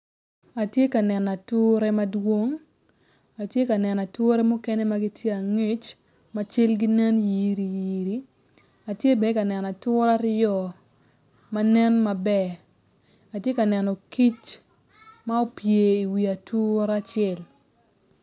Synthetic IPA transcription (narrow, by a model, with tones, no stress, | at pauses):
a˨tje˦ka˨nɛ˨na˨tʊ˦ɾɛ˦ma˦dwo˦ŋ | a˨tje˦ka˨nɛ˨na˨tʊ˦ɾɛ˦mu˦kɛ˦nɛ˦ma˦ɡi˦tje˦a˨ŋe˦t͡ʃ | ma˦t͡ʃɪ˦lɡɪ˦nɛ˦nji˨ɾi˨ji˨ɾi˨ | a˨tje˦be˨ka˨nɛ˨na˨tʊ˦ɾa˦ɾjɔ˨ | ma˦nɛ˦nma˨bɛ˨ | a˨tje˦ka˨nɛ˨nɔ˨ki˦t͡ʃ | ma˦o˨pje˨i˨wi˨a˨tʰu˦ɾa˦t͡ʃɛ˦˨l